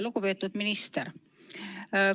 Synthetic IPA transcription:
lukupeːt̪ːˑud̪̥minist̪eɾ

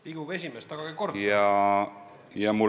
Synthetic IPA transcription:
piɡ̥ube̞sʲimest̪ɑɡ̥ɑɡiko̞rd̪jɑ | jɑmul

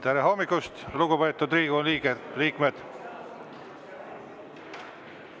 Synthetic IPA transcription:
t̪æɾeɦomːikːˑust̪luɡupejt̪ːud̪ɾiːɡuonliːɡeliːkmed̪̥

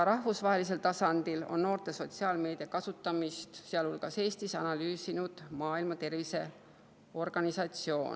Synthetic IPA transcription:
ɾɑhvusvɑɦe̞lis̬e̞lt̪ɑsɑnd̪ilo̞̰nno̞ːrt̪e̞so̞t̪siɑːlme̞ːd̪̥iɑkɑsut̪ːˑɑmist̪seɑlhulɡ̥ɑse̞ːst̪isɑnɑlyːsinud̪̥mɑːilmɑt̪e̞rvise̞ | o̞rɡ̥ɑnisɑt̪sio̞ːn

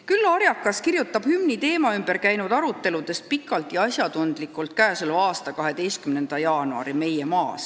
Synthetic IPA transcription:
kylːoɾjɑkːˑɑskirjut̪ːˑɑb̥hymnit̪e̞ːmɑymb̥e̞ɾkæjnud̪ɑɾut̪ːˑe̞lud̪̥e̞st̪̚pikːˑɑlt̪ˑjɑɑsjɑd̪und̪̥likːˑult̪̚kæːsulɑːst̪ɑkɑɦe̞d̪e̞jst̪̚kymne̞nd̪̥ɑjɑːnuɑ̰ɾime̞jemɑːs

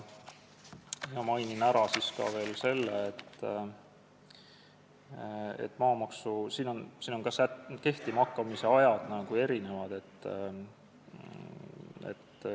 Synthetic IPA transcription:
miɑmɑjninæɾɑsiskɑ̰ve̞ːlse̞lːḛet̪ː | ḛt̪ːˑmɑːmɑksusiːno̞nsiːno̞nkɑsæke̞ht̪imɑkˑːɑmise̞ɑjɑd̪̥nɑɡ̥ue̞ɾine̞vɑd̪̥e̞t̪ː | ḛt̪ː

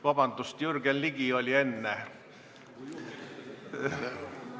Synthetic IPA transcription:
vɑb̥ɑnd̪̥ust̪jyrɡ̥enliɡ̥io̞lʲie̞nːe

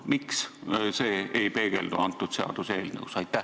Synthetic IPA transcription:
miksse̞ːejpe̞ːɡ̥e̞̰ld̪uɑnt̪ːˑud̪̥seɑ̰d̪̥useːlnɤ̰wsɑjt̪ːˑæ

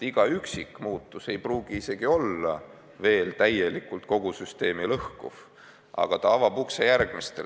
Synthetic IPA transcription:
iɡ̥ɑyksikːˑmuːt̪ˑːuse̞jpruːɡ̥iise̞ɡ̥io̞lːɑ | ve̞ːlt̪æje̞likːult̪̚ko̞ɡ̥usyst̪e̞ːmilɤhkṵf | ʔɑ̰ɡ̥ɑt̪ɑɑvɑbuksejærɡ̥mist̪ḛ

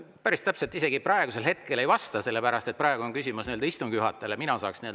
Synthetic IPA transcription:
pæɾist̪æpselt̪ːˑise̞ɡ̥iprɑe̞ɡ̥use̞lɦe̞t̪̚ke̞le̞jvɑst̪ɑse̞lːe̞pæɾɑst̪et̪̚prɑeɡ̥uo̞nkysʲimusnield̪ɑist̪uŋɡ̥juɦɑt̪ːˑeleminɑsɑːksniøld

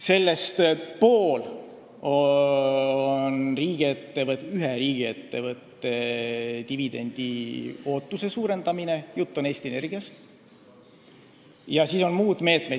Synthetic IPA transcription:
se̞lːe̞st̪poːl | o | nriːɡ̥iet̪ːe̞vɤt̪yɦeɾiːɡ̥ie̞t̪ːe̞vɤt̪ːe̞t̪ivid̪̥e̞nʲd̪̥io̞ːt̪ːuse̞suːɾe̞nd̪̥ɑmine̞jut̪ˑːo̞ne̞ːst̪iene̞rɡ̥iɑst̪ | jɑsiːso̞nmuːd̪̥me̞ːt̪ˑme

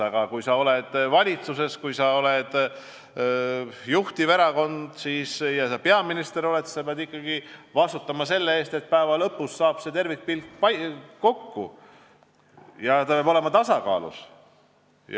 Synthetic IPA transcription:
ɑɡ̥ɑkujsɑo̞led̪̥vɑlʲit̪suse̞skujsɑo̞led̪̥ | juht̪iveɾɑko̞nd̪̥siːsjɑsɑpe̞ɑminist̪eɾo̞le̞t̪sɑpeɑd̪ikˑːɑɡ̥ivɑst̪ut̪ːˑɑmɑse̞lːee̞ːst̪e̞t̪̚pæevɑlɤ̞pːˑusːɑːb̥se̞t̪e̞rvik̚pilkpɑko̞kːṵ | jɑt̪ɑpeɑbo̞le̞mɑt̪ɑsɑkɑ̰ːlṵs | j

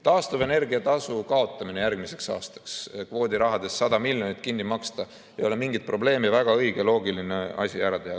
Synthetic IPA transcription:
t̪ɑːst̪uve̞ne̞rɡiɑt̪ɑsukɑo̞t̪ˑːɑminejærɡmise̞ksɑ̰ːst̪ɑ̥kskvo̞ːd̪iɾɑɦɑd̪̥e̞sːɑd̪ɑmiljonit̪kinːimɑkst̪ɑ | ejo̞lemiŋɡid̪̥̚pro̞ble̞ːmevæɡ̥ɑɤjɡ̥elo̞ːɡiline̞ɑ̰sʲiæɾɑt̪ehɑ

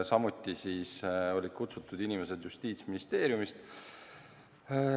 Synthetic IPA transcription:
sɑmut̪ːisiːso̞lʲid̪̥̚kut̪sut̪ːˑud̪inimes̬e̞d̪̥just̪iːt̪sminist̪e̞ːɾjumist̪

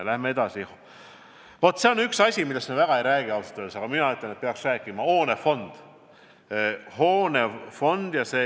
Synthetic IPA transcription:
læhmee̞d̪̥ɑsi | vo̞t̪ːˑseonyksɑsʲimilest̪mevæɡ̥ɑe̞jɾæːɡ̥iɑlsut̪ːød̪sɑɡ̥ɑminɑyt̪lenet̪̚peɑksræːkˑimɑo̞ːnefo̞nd̪̥ | ho̞ːnefo̞nd̪̥jɑseː

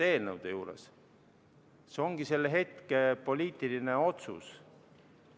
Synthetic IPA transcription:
e̞ːlnəwd̪̥ejuːɾḛs | seo̞ŋɡ̥ise̞lːeɦe̞t̪kepo̞lʲiːt̪ˑiline̞o̞t̪sṵs

